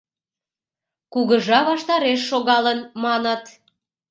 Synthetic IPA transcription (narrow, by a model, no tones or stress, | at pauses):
kuɣəʒɑβɑʃt̪ɑɾeʃːoɣɑlənmɑnət̪